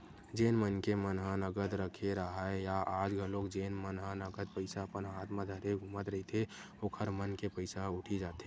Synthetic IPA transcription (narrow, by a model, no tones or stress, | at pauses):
d͡ʒeːnmənkemənɦanəɡəd̪ɾəkʰeɾəɦaejaʔaːd͡ʒɡʱəlokd͡ʒeːnmənɦanəɡəd̪̚pəɪsaəpənɦaːt̪ʰmãd̪ʱəɾeɡʱuːmət̪ɾəɦit̪ʰe | oːkʰəɾmənkepəɪsaʊʈʰid͡ʒaːt̪e